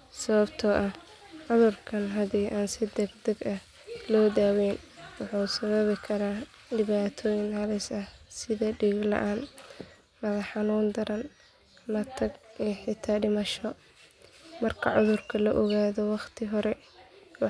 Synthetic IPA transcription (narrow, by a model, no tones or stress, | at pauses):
sɐβɐbt̪ʰɔʔɐh | ʕʊðʊrkʰɐnɦɐdiːʔaːnsɪd̪ɐɡd̪ɐɡɐh | lɔːd̪aːwɛːnwɑħuːsɐβɐβɪkʰɐɾaː | ɖɪβaːt̪ʰɔːjɪnhɐlɪsɐhsɪðɐɖiːɡlɐ̰ʔaːn | mɐðɐħɑnuːnd̪ɐɾɐn | mɐt̪ʰɐɡiħɪt̪ʰaːɖɪmɐʃɔ | mɐrkʰɐʕʊðʊrkʰɐlɐʔɔɣaːðɔwɑχt̪ʰɪɦɔɾɛ | w